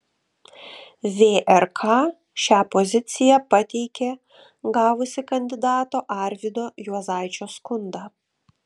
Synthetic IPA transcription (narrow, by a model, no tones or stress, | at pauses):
ʋʲeːʔɛɾkʰɑː | ʃʲæːpɔzʲɪt̪sʲɪjæpɐt̪ʲɛɪkʲeː | ɡɑːʋʊsʲɪkɐnʲd̪ʲɪd̪ɑːt̪oːʔɑɾʲʋʲɪd̪oːjuɔzɑˑɪt͡ʃʲoːskʊnd̪ɑː